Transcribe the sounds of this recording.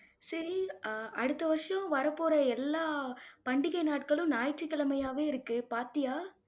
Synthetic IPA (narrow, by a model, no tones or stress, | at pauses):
sɐɾiʔɐɽɯt̪ːɐʋɐɾʂɐjɐ̃ʋɐɾɐpːoːɾɐɛlːaːpɐɳɖɪɣɐɪnaːʈ̚kɐɭɯ̃naːjʈrikːɐɭɐmɐjaːʋeːɪɾɯkːɯpaːɾt̪ɪjaː